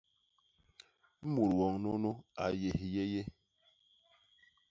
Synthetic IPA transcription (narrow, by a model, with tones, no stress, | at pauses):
mu˨ɾwɔ˨ŋno˦no˦a̰˨je˨hi˨je˦je˦